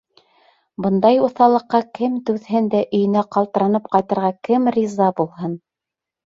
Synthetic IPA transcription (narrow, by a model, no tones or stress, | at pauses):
bɤ̆nd̪ɑjŭθɑlˠɤ̆qːɑkɘmt̪ʉðhɘnd̪æʔɵ̆jɘ̆næqɑlˠt̪ɤ̆ɾɑnɤp̚qɑjt̪ɤ̆ɾʁɑkɘmrʲizɑbulˠɦɤn